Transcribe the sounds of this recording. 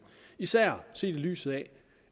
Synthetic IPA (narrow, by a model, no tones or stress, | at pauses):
isæɐ̰se̝̰ːd̥e̝ly̰ːsð̩ˠɛ